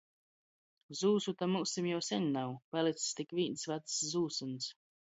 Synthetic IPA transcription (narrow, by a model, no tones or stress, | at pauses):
zuːsut̪amusimjawsɛnʲnawpalˠit̪sst̪ikvʲiːnsvat̪zuːsuns